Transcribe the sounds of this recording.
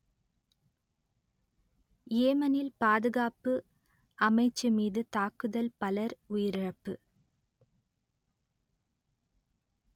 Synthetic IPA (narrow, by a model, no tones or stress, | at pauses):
jeːmɐnɪlpaːðɯɣaːpɯ | ɐmɐɪt͡ʃːɯmiːðɯt̪aːkːɯðɐlpɐlɐɾʊjɪɾɪɻɐpːɯ